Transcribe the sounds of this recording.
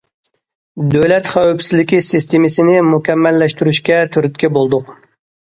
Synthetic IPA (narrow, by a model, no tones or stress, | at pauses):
d̪øwlɛt̪χæwypsɪzlɪkʲisɨst̪ʰemɪsɪnɪmukʲʰɛmːɛlːɛʃt̪yɾyʃkʲɛt̪ʰøɾyt̪̚kʲɛbolˠd̪ʊq